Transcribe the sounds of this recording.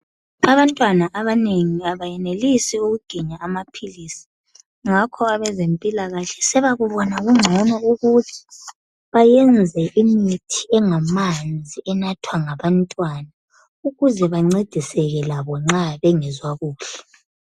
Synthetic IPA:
aβantʼwanaʔaβaneŋiaβajɛnelisiuɣuɡ̥ʱiɲaamapʰilisi̥ | ŋakʰɔaβɛzempʼilaɣaɬɛ̥sɛβaɣuβɔnaɣuŋ͡ǀʱɔnɔuɣutʰi̥ | βajɛnd͡zʱɛʔimitʰiɛŋamand͡zʱiʔɛnatʰwaŋaβantʼwana | uɣuzɛβaŋ͡ǀed̥ʱisɛɣɛlaβɔŋ͡ǁaβɛŋɛzwaɣuːɬɛ̥

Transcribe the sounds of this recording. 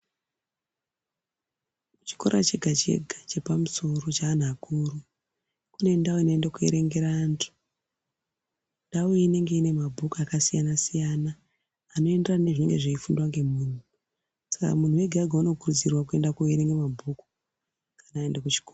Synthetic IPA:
mut͡ʃi̥ko̞̰ɾʔat͡ʃe̞ɡʱat͡ʃe̞̰ɡʱat͡ʃe̞pamuso̞ro̞t͡ʃaːn̤akuːɾu | kune̞ndawoino̞endakue̞̰ɾe̞ŋɡe̞ɾaːntʰu̥ | ndawoine̞ŋɡe̞ine̞mabʱukuakasijanasijanaː | no̞e̞nderane̞ʐine̞̰ŋɡe̞ʐeifundwaŋɡe̞muːn̤u | sḁka̰mun̤uwe̞ɡʱaɡʱauno̞kurud͡zirwak̬ue̞ndakueɾe̞ŋɡemabʱuku̥ | kanaːendakut͡ʃi̥korːra

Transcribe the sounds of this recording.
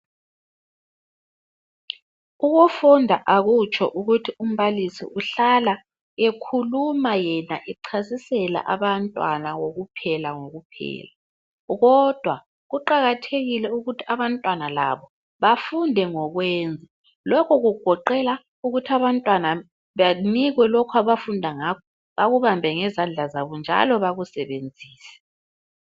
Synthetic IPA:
uɣufundʱaʔaɣut͡ʃʼʰɔ̰ʔuɣutʰium̩βalisḭʔuɬala | ekʰulumajɛna̰ʔiǀʰasisɛla̰ʔaβantʼwanaɣoɣupʰɛlaŋoɣupʰɛ̰ːla | ɣɔd̥ʱwa | ɣuǃaɣatʰeɣilɛuɣutʰiaβantʼwanala̰βɔ | βafundʱɛŋɔɣwɛːnd͡zʱa | lɔkʰɔɣuɡ̥ʱɔǃɛla | uɣutʰiaβantʼwana | βaniɣwɛlɔkʰwaβafundʱaŋakʰɔ | βaɣuβambʱɛŋɛzand͡ɮʱazaβɔnd͡ʒʱa̰lɔβaɣusɛβend͡zʱiːsɛ̥

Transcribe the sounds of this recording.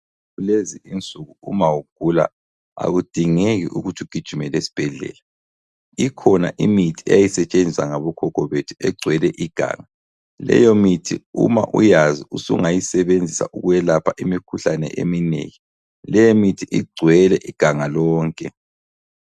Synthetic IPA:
ɣuleziint͡sʼuɣuumawuɡ̥ʱula̰ | a̰ɣud̥ʱiŋeɣiʔuɣutʰuɡ̥ʱid̥ʒ̥ʱumɛlesi̥b̥ʱɛɮɛ̰la | ikʰɔnaʔimitʰiɛ̰jajisɛt͡ʃʼend͡zʱisaŋaβɔkʰɔkʰɔβetʰu̥ɛɡ͡ǀʱwɛlɛʔiɡ̥ʱa̰ːŋa | lɛ̰jomitʰiuma̰ʔṵjaziusuŋajisɛβend͡zʱisa̰ʔuɣujɛlapʰaʔimikʰuɬanɛ̰ʔḛminḛji | lɛjemitʰiʔiɡ͡ǀʱwɛlɛʔiɡ̥ʱaŋalɔːŋkʼɛ

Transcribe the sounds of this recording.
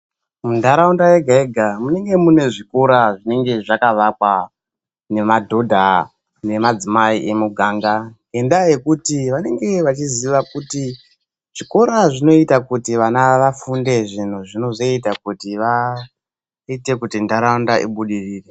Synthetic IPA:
mundaɾaundajeɡʱaeɡʱamune̞ŋɡe̞mune̞ʐiko̞ɾaʐine̞ŋɡe̞ʐakaʋakwa | ne̞madʱo̞dʱa | ne̞mad͡zimaiʔemuɡʱaːŋɡaɡe̞ndaje̞kutiʋane̞ŋɡe̞ʋat͡ʃiziʋakuti | ʐ̥iko̞ɾaʐino̞itakutiʋanaʋafunde̞ʐin̤uʐino̞zo̞itakutiʋa | ite̞kutindaɾaundaʔḭɓuɗiriːre

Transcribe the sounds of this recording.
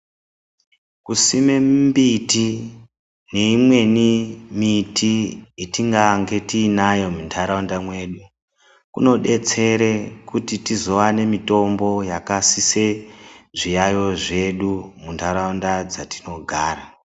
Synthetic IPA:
kusimembiti | ne̞imwe̞nimitiitiŋɡaŋɡe̞tiːnajo̞muntʰaɾaundamwe̞ɗu | kuno̞ɗe̞t͡se̞ɾekutitizo̞ʋane̞mito̞mbo̞jakasise̞ʐijajo̞ʐe̞ɗumuntʰaɾaundad͡zatino̞ɡʱaːra

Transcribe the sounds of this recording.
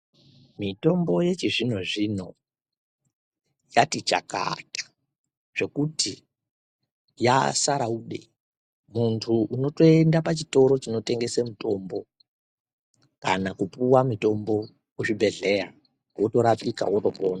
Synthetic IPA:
mito̞mbo̞je̞t͡ʃiʐin̤oʐino̞ | jatit͡ʃa̰ka̰tʰḁ | ʐ̥e̞kuti | jasaɾauːɗe̞̰ | muntʰuʔuno̞to̞endapat͡ʃito̞ɾo̞t͡ʃino̞te̞ŋɡe̞semuto̞mbo̞ | ka̰nakupuwamito̞mbo̞ | kut͡ʃibʱe̞ɮe̞ja | woto̞ɾapika̰woto̞poːna

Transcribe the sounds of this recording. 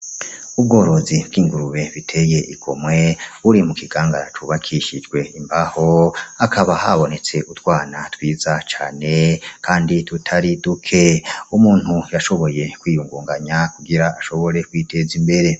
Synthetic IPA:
ub̚ɡo̞ːɾo̞zibɡiːŋɡuɾuβe̞βitʰe̞ːje̞ʔikʰo̞̰mwe̞βuɾimukiɡ̥aːŋɡaɾat͡ʃuβakʰiʃid͡ʒɡwe̞imbahoakʰaβahaβo̞ne̞t͡se̞ʔutwaːnatwiːzat͡ʃa̰ːne̞kʰaːnditutʰaɾidukʰe̞umuːn̥hujaʃo̞βo̞je̞kwiːjuːŋɡuːŋɡaɲakuɡiɾaːʃo̞βo̞ɾe̞kwiːtʰe̞zimbe̞ɾe̞

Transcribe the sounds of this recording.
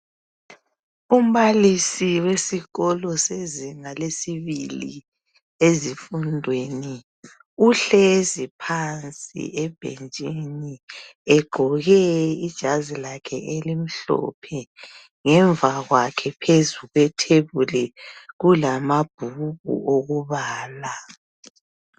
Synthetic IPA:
um̩βalisiwesiɣɔlɔseziŋalesiβilḭ | ezifundʱweni | uɬɛzipʰant͡sʼḭʔɛb̥ʱḛnt͡ʃʼeniɛɡ͡ǃʱɔɣɛid̥ʒ̥ʱazilakʰɛ̰ʔelim̩ɬɔ̰pʰɛ | ŋɛɱvaɣwakʰɛpʰezuɣwɛtʰeβulɛɣulamab̥ʱuɣṵʔoɣuβaːla

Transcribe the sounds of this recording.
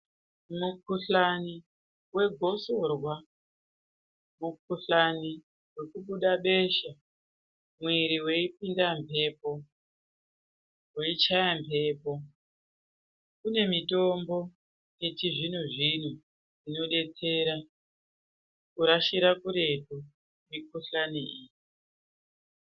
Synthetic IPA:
mukʰuɬani | we̞ɡʱo̞so̞rwa | muk̚ʰuɬani | we̞kuɓuɗaɓe̞ʃa | mwiɾiwe̞ipindampe̞po | weit͡ʃajamvʱe̞ːpo̞ | kune̞mito̞mbo̞ | je̞t͡ʃiʐin̤uʐin̤u | ino̞ɗe̞t͡se̞ːɾa | kuɾaʃiɾakuɾe̞to | mikuɬaniiːji

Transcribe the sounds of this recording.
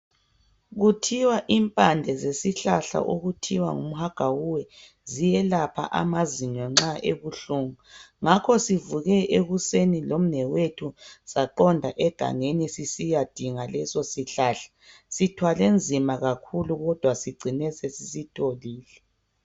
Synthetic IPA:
ɣutʰiwaʔimpʼand͡ɮʱɛzesiɬaɬa̰ʔoɣutʰiwa̰ŋumuhaɡ̥ʱawuwɛ | zijɛlapʰa̰ʔa̰maziɲɔŋ͡ǁaʔeɣuɬuːŋuŋakʰɔsivuɣɛʔeɣusenilom̩nɛwetʰusaǃɔndʱaʔɛɡ̥ʱa̰ŋenisisijad̥ʱiŋalɛsɔsiɬaɬḁsitʰwalend͡zʱimaɣakʰuluɣɔd̥ʱwasiɡ͡ǀʱinɛsɛsisitʰoliːlɛ

